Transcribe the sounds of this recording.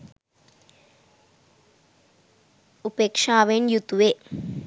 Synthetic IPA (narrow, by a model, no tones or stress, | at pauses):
upekʂaːʋenjut̪uʋe